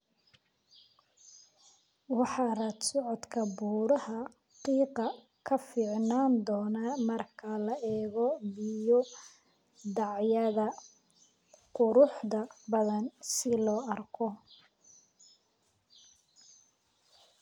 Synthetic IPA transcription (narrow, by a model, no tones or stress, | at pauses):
wɑħɑːrɐt̪sɔʕɔd̪kʰɐbuːɾɐhɐ | qiːqɑ | kʰɐfiːʕnaːnd̪ɔːnaːmɐrkʰɐlɐʔɛːɣɔbɪjɔ | d̪ɑʕjɐðɐ | qʊɾʊħd̪ɐbɐðɐnsɪlɔːɐrkʰɔ